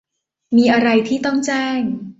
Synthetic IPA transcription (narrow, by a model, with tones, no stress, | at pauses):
miː˧ʔa˧ɾa˧jt̪ʰiː˥˩t̪ɔ˥˩ŋt͡ɕɛː˥˩ŋ